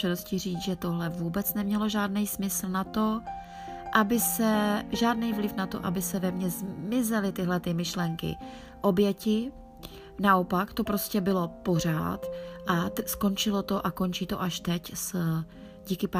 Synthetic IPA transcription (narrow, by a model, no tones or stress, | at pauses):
ɛdoscɪr̝iːt͡sʒɛt̪o̞ɦlɛvuːbɛt͡snɛmɲɛlo̞ʒaːdnɛjsmɪsl̩nat̪o̞ | ʔabɪsɛʒaːdnijvlɪfnat̪o̞̰ʔabɪsɛvɛmɲɛzmɪzɛlɪt̪ɪɦlɛt̪ɪmɪʃlɛŋkɪ̰ | ʔo̞bjɛcɪ | naʔo̞pakt̪o̞pɾo̞scɛbɪlo̞po̞r̝a̰ːt̪ʔasko̞nt͡ʃɪlo̞t̪o̞ʔako̞nt͡ʃiːt̪o̞̰ʔaʃt̪ɛcs | ɟiːkɪpa